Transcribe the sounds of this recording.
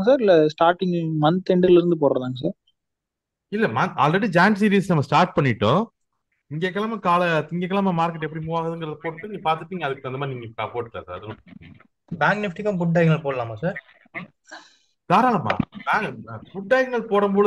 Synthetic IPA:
s̬aːɾɪlːɐsʈaːɾʈːɪŋmɐnt̪ɛɳɖɪlɪɾɯnd̪ɯp̬oːɾɾɐðaːŋɡɐs̬aːɾ | ɪlːɐmɐna̰ːlrɛɽɯd͡ʒaːnʈs̬iːɾiːsnɐmːɐsʈaːɾʈ̚pɐɳːɪʈːõ̰ː | ɪŋɡeːkːɐlaːmɐkaːlɐɪŋɡeːkːɐlaːmɐmaːɾkɛɪʈ̬ːɛpːɐɽimuːʋaːɣɐðɯŋɡɾɐðɯpoːʈːɯʈːɯniːɡɐpaːɾt̪ɯʈːniːŋɡɐɐðɯkːɯʋɐnd̪ɐmaːɾɪniːŋɡɐɐpoːʈːlːɐsa̰ːɾɐðɯnʊ̃ | baːŋɡnɪfʈɪkːɐ̃mbʊɖːɐjɡnɐɭpoːɽɐlaːmaːsaːɾ | t̪aːɾaːlɐmːa̰ːbabʊɖːɐjɐɡnɐɭpoːɽɐmboː

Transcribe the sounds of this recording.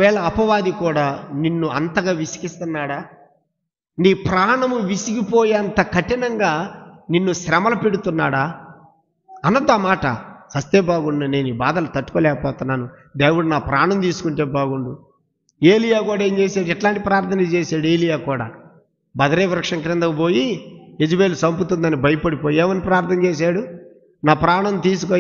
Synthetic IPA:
ʋɛːɭɐːpɐʋaːd̪ikuːɽaːninːuɐnt̪ɐɡaːʋisi̥kist̪unːaːɽaː | niːpɾaːɳɐmuʋisikipoːjiɐnt̪ɐkʰɐʈinɐŋɡaːninːuʃɾɐmɐlɐpeɽut̪unːaːɽaː | ɐnɐd̪ːamaːʈɐ̰sɐst̪eːbaːɡuɳɖɐne̞ːniːbaːd̪ɐlɐt̪ɐʈːu̥kɔːlɛːkɐpɔːt̪unːaːnud̪eːwuɽunaːpɾaːɳɐnt̪iːsu̥kuɳʈeːbaːɡuɳɖu | eːlijaːkuːɽaeːɲt͡ʃeːsaːɽɛʈlaːɳʈipɾaːɾt̪ʰɐnɐt͡ʃeːsaːɽue̞ːlijaːkuːɽa̰ː | bɐd̪ɐɾeːʋɾɐkʂɐŋkɾɪnd̪ɐmpo̞ːjied͡ʒubeːlusɐmput̪und̪ɐnibʱɐjɐpɐɽipoːjieːʋɐnipɾaːɾt̪ʰɐnt͡ʃeːs̬aːɽu | naːpɾaːɳɐnt̪iːs̬ukoː

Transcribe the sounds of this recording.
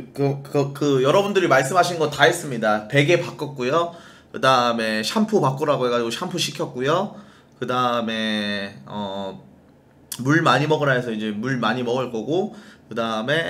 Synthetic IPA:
kɯkɯkɯjʌɾʌbundɯɾimaɭs̬͈ɯmɦaɕʰinnŋɡʌtaɦes͈ɯmɲidape̞ɡe̞pak͈ʌk̚k͈ujo | kɯdaɯme̞ɕʰampʰupak͈ɯɾaɡoje̞ɡad͡ʑiɡoɕʰampʰuɕʰikʰjʌk̚k͈ujo | kɯdaɯme̞ʌ | muɭmaɲimʌɡɯɾaesʰʌid͡ʑe̞muɭmaɲimʌɡɯɭk͈ʌɡokɯdaɯme̞

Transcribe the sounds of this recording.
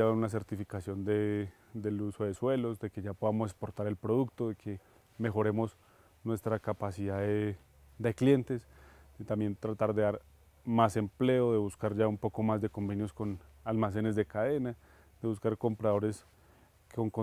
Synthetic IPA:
aunas̬e̞ɾt̪ifikasjo̞nd̪e | d̪eluso̞ðe̞swe̞lo̞zd̪e̞keʝapo̞ðamo̞se̞kspo̞ɾt̪aɾe̞lpɾo̞ð̞uk̚t̪o̞ðe̞kʰe̞ | me̞xo̞ɾe̞mo̞s | nwe̞st̪ɾakapasiðaðe | d̪e̞klje̞nt̪e̞sd̪̥et̪ambje̞nt̪ɾat̪aɾd̪e̞ðaɾ | mase̞mple̞oðe̞βuskaɾd͡ʒaumpo̞ko̞mazd̪e̞ko̞mbe̞njo̞sko̞nalmas̬e̞ne̞zd̪e̞kað̞e̞na | d̪̥e̞βuskaɾko̞mpɾað̞o̞ɾe̞s | ko̞ŋko

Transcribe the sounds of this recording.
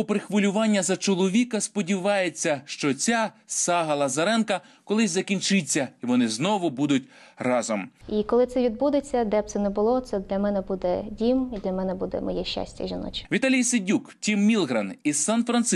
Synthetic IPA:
ɔpɾɪxʋɔlʲʊʋɑnʲːɐzɐt͡ʃɔlˠɔʋʲikɐspɔdʲiʋɑjet͡sʲːɐʃt͡ʃɔt͡sʲasɑɦɐlˠɐzɐɾɛnkɐ | kɔlˠɪsʲzɐkʲinʲt͡ʃɪt͡sʲːɐiʋɔnɪznɔʋʊbud̪ʊtʲ | rɑzɔmikɔlˠɪt̪sɛʋʲid̪bud̪et͡sʲːɐd̪ɛp̪̚sɛnɛbʊlˠɔt̪sɛd̪lʲɐmɛnɛbud̪ɛdʲimid̪lʲɐmɛnɛbud̪ɛ̰mɔ̰jɛʃa̰sʲtʲɐ̰ʒinɔ̰t͡ʃʲʋʲit̪ɑlʲijsɪdʲuktʲimːʲilˠɦɾɐnisɑnfɾɐns

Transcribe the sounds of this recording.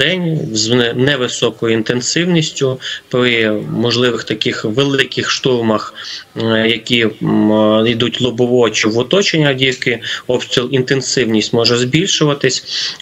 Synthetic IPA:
d̪̥ɛnʲznɛʋɪsɔkɔjʊint̪ensɪwnʲisʲtʲʊpɾɪmɔʒlˠɪʋɪxt̪ɐkɪxʋelˠɪkɪxʃt̪urmɐx | jɐkʲi | id̪utʲlˠʊbɔʋɔt͡ʃiwʊt̪ɔt͡ʃenʲːɐdʲijkɪɔbsʲt̪ʲilˠint̪ensɪwnʲisʲtʲmɔʒɛzbʲilʲʃʊʋɐt̪ɪsʲ

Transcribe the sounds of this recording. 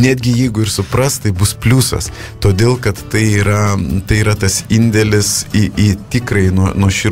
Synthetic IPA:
nʲæːd̪ʲɡʲɪjɛɪɡʊɪrsʊprɐst̪t̪ɐɪbʊspʲlʲuːsɐ̰s | t̪oːd̪ʲeːlˠkɐt̪t̪ɐɪiːɾɐt̪ɐɪiːɾɐt̪ɐsɪnʲd̪ʲɛlʲɪsɪit̪ʲɪkɾɐɪnuɔnuɔʃʲɪ

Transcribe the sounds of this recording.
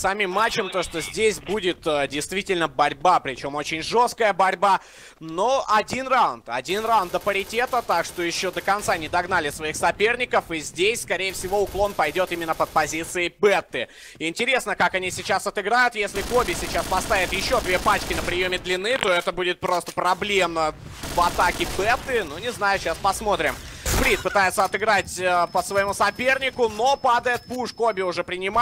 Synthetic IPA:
sɐmʲimːat͡ɕːɪmt̪oʂt̪o̞zʲdʲesʲbudʲɪt̪ədʲɪjst̪vʲitʲɪlʲnəbɐɾʲbapɾʲɪt͡ɕo̞mo̞t͡ɕɪnʲʐo̞skəjəbɐɾʲba | no̞ʔɐdʲinraʊnt̪ɐdʲinrawʊnd̪əpəɾʲɪtʲe̞t̪ət̪akʂt̪o̞jɪɕːo̞d̪əkɐnt̪sanʲɪd̪ɐɡnalʲɪsvɐixsɐpʲe̞rnʲɪkəfɨzʲdʲesʲskɐɾʲejəfsʲɪvo̞ʊklˠo̞npɐjdʲo̞t̪imʲɪnːəpət̪̚pɐzʲit̪sɨɪbɛt̪ːɨ | ɪnʲtʲɪɾʲe̞snəkakɐnʲisʲɪt͡ɕasɐt̪ɨɡɾajʊt̪jesʲlʲɪkobʲɪsʲɪt͡ɕaspɐst̪avʲɪt̪jɪɕːo̞d̪vʲepat͡ɕkʲɪnəpɾʲɪjo̞mʲɪd̪lʲɪnːɨt̪o̞ɛt̪əbudʲɪt̪̚pɾo̞st̪ə̥pɾɐblʲemnə | vɐt̪akʲɪbɛt̪ːɨnunʲɪznajʊɕaspɐsmo̞t̪ɾʲɪmspɾʲit̪̚pɨt̪ajɪt̪səɐt̪ɨɡɾatʲəpəsvəjɪmusɐpʲe̞rnʲɪkʊno̞pad̪əjɪt̪̚puʂkobʲɪʊʐɛpɾʲɪnʲɪma

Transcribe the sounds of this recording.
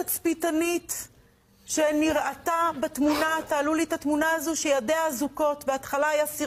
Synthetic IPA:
at͡spitanit | ʃeniʁʔatabatmunat̪aːlulit̪atmunaazoʃejadeazuko̞tbeat̪χalajasi

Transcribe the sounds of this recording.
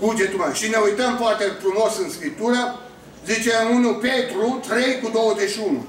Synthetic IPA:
kud͡ʒet̪umaʃineujt̪əmpoart̪elpɾumosɨnskɾip̚t̪uɾa | zit͡ʃeamunupet̪ɾut̪ɾejkud̪owəzeʃiunṵ

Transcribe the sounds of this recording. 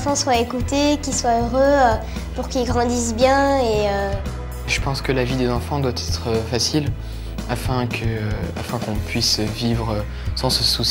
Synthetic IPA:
fɑ̃swaekut̪ekilswaøʁøø | puʁkilɡʁɑ̃d̪isbjɛ̃eø | ʒəpɑ̃skəlavid̪ezɑ̃fɑ̃d̪wat̪ʰɛt̪χəfasil | afɛ̃kʰəafɛ̃kɔ̃pɥisvivʁø | sɑ̃səsus

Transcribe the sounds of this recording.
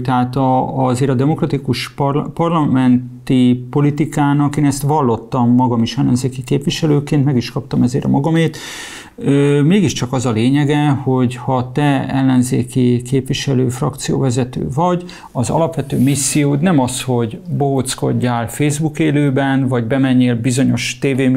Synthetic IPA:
t̪ɛɦaːt̪ɒɒzeːɾɒd̪ɛmo̞krɒt̪ikuʃppɒrlɒmɛnt̪ipo̞lit̪ikaːnɒkeːnɛst̪ʋɒlːo̞t̪ːɒmːɒɡɒmiʃɛlːɛnzeːkikeːpʋiʃɛløːkeːnt̪mɛɡiʃkɒpt̪ɒmɛzḛːɾɒmɒɡɒmeːt̪ | ømeːɡiʃt͡ʃɒkɒzɒleːɲɛɡɛho̞ɟhɒt̪ɛɛlːɛnzḛːkikeːpʋiʃɛløːfrɒkt̪sijo̰ːvɛzɛt̪ø̰ːvɒɟ | ɒzɒ̰lɒpʋɛt̪øːmisːijoːt̪nɛmɒsho̞ɟboɦot̪sko̞̰ɟːaːlfeːzbukeːløːbɛnvɒɟbɛmɛɲːeːlbizo̞ɲo̞ʃt̪eːveː

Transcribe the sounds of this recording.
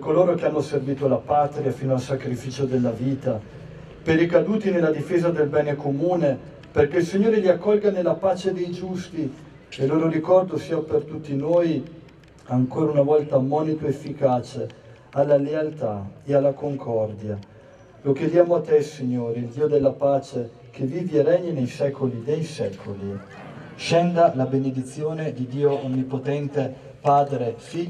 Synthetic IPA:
kːoloːɾok̟eanːoserviːt̪olapaːt̪ɾiafiːnoalsakɾifiːt͡ʃod̪elːaviːt̪a | peɾikad̪uːt̪inelːad̪ifeːzad̪elbɛːnekomuːne | perk̟eilsiɲːoːɾeʎiakːɔlɡanelːapaːt͡ʃed̪ejd͡ʒust̪i | eloːɾoɾikɔrd̪osiːapert̪ut̪ːinoːj | aŋkoːɾaunavɔlt̪amɔːnit̪oefːikaːt͡ʃe | alːalealt̪aealːakoŋkʰɔrd̪ja | lok̟ed̪jaːmoat̪ːesiɲːoːɾiild̪iːod̪elːapaːt͡ʃe | k̟evːiːviarɛɲːenejsɛːkolid̪ejsɛːkʰoli | ʃɛnd̪alabened̪it̪sːjoːned̪id̪iːoonːipot̪ɛnt̪e | paːd̪ɾefi

